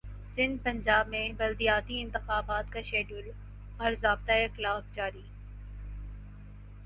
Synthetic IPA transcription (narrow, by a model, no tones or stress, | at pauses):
sɪ̃nd̪̚pɐ̃ɲd͡ʒaːbmẽbɐld̪ijaːt̪iɪ̃nt̪ɪxaːbaːt̪kaʃeːɖul | ɔːɾzaːb̚t̪aeklaːfd͡ʒaːɾiː